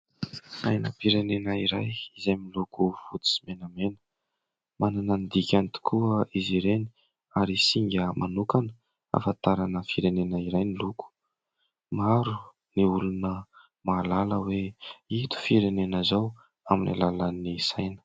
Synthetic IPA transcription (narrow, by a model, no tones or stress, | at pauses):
a̰jnəpiɾenenaiɾajizajmilukuv̥ut͡s̪i̥si̥menamenə̥ | mananand̪ikʲant̪i̥kʰuəiziɾeni | aɾisiŋɡʲəmʔanukanə | a̰fat̪aɾanəfiɾenenaiɾajniluku̥ | maɾu | niulunə | maːlaləweit̪u̥fiɾenenəzaw | aminʔḭlalanisajnə̥